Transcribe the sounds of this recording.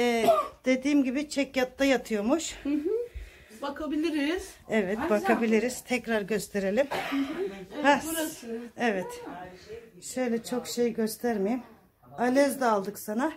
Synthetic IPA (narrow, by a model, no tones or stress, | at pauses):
ɛd̪̥e̞d̪iːmɟibit͡ʃʰɛcjat̪ːajat̪ʰɯjo̞muʃ | bakabilʲiɾiiz̥ɛvɛt̪bak̪ʰabilʲiɾiz̥t̪ʰɛcɾaɾɟø̞st̪ʰe̞ɾe̞lʲim | ha | ɛvɛt̪ | ʃø̞jlʲɛt͡ʃʰo̞kʃe̞jɟø̞st̪ʰæɾmijim | alʲɛzd̪ɛalˠd̪ɯksana